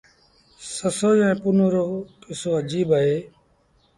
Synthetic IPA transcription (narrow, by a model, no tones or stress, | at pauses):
səsoːd͡ʒɛ̃ːpʊnoːɾoːkɪsoːəd͡ʒiːbaɦeː